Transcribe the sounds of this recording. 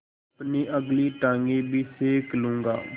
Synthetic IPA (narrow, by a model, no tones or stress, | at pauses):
pniːʔəɡliːʈãːŋɡiːbʱiːseːklũːŋɡa̰ː